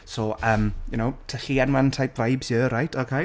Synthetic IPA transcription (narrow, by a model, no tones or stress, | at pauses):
soːʔəːmjʊnowtʰɛɬiɛnwantʰajp̚vajbzjəːɾajtʰɔkʰe